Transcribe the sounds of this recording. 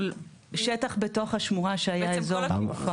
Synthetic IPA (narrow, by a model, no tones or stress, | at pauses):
l | ʃetaχbeto̞χhaʃmuʁaʃeajaezoʁufa